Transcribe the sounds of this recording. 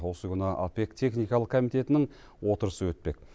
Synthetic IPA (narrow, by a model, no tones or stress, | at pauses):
wo̞səkʰʲʏnɑʔape̞kt̪ʰe̞χnijkɑlˠəqkʰomijt̪e̞t̪ɪnɪŋ | wo̞t̪əɾəsəwɵt̪̚pe̞k̚